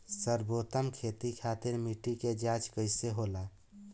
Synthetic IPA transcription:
səɾbot̪əmkʰet̪ikʰat̪iɾmiʈiked͡ʒat͡ʃkəɪseɦola

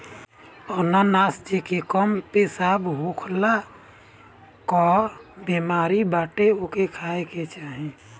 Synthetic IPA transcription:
ɔnanaːsd͡ʒekekɔmpesaːbɦukʰla | kɔːɾbemaːɾibaːʈeokekʰaːeket͡ʃaːɦĩ

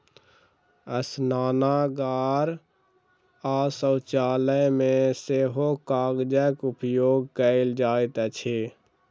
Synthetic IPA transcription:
əsnaːnaɡaːɾ | aːsəwt͡ʃaːləjmẽseɦokaːɡd͡ʒəkupjoːɡ̚kəɪld͡ʒaːɪt̪ət͡ʃʰe

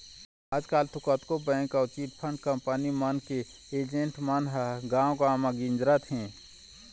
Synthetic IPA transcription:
aːd͡ʒkaːlt̪ʊkət̪kobɛ̃ːŋkaʊt͡ʃiːt̪pʰə̃ɳɖkəmpənimənke | eːd͡ʒẽɳʈmanɦɡãːw̃ɡãːmaɡɪ̃nd͡ʒɾat̪ɦɛ̃ː

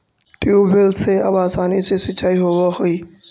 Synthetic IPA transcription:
ʈɪuːbɪlseːɐbaːsaːnisesɪt͡ʃʰaːiːɦoʋaɦoiː

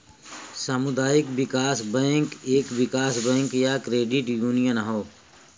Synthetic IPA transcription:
samʊd̪aːjɪkbɪkaːsbɛ̃ːŋkeːkʋɪkaːsbɛ̃ːŋkjakɾeːɖɪʈjuːnijənɦoː

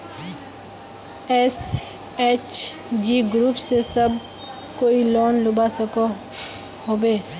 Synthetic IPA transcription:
ɛs | eːt͡ʃd͡ʒiɡɾuːpsesəb | koːiloːnlʊbasəko | hoːbeː

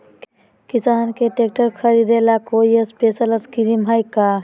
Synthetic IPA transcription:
kisaːnkeʈek̚ʈəɾkʰəɾid̪elakojəspesələskiɾimɦajka

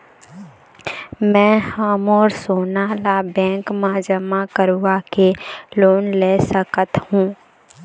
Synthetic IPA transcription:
mɛ̃ːhamɔːɾsoːnalabɛ̃ːŋkmãd͡ʒəmakəɾʋakeloːnlesəkət̪hũː

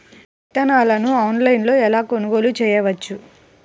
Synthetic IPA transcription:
it̪ɐnaːlɐnuɐːnlɐjnlo̞ːɛlaːkonuɡo̞ːlut͡ʃɛːjɐʋɐt͡ʃːu

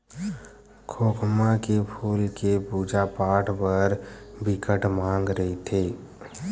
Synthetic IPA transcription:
kʰoːkʰmakepʰuːlkepuːd͡ʒapaːʈʰpəɾbɪkəʈmãːŋɡɾəɦit̪ʰeː

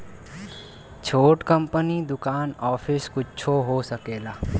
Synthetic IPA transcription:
t͡ʃʰoːʈkə̃mpənid̪ʊkaːnɔːpʰɪskʊt͡ʃʰoɦosɐkeːlaː

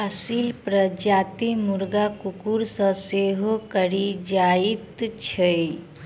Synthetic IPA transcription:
əsilpɾəd͡ʒaːt̪imuɾɡakukuɾsə̃seɦokəɾid͡ʒait̪t͡ʃʰe

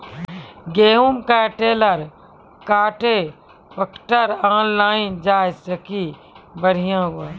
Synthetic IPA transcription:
ɡeːɦumkaːʈeːləɾ | kaːʈe | pəkʈəɾãːnlaːɪnd͡ʒaːsɐki | bəɽ̤ijãːua

